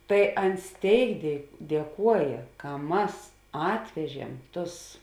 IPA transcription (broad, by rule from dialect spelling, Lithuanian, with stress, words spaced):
tɐɪ ˈɐns ˈtʲeːɪk dʲiɛ dʲiɛˈkuɔjeː kɐ ˈmɐs ˈɑːtʲʋʲɛʒʲiɛm ˈtʊs